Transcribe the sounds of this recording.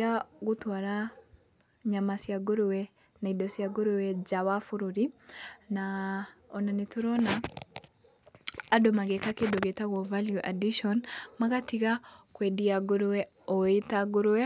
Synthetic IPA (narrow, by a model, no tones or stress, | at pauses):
aɣutwaɾa | ɲamasiaɡoɾuwɛ | naidɔsiaɡoɾuwɛd͡ʒawafuɾuɾinaɔnanetuɾɔna | dɔmaɣɛkakedɔɡɛtaɣɔvaljuʔadiʃɔnmakatiɣakwɛdiaɡoɾuwɛ | ɔetaɡuɾuwɛ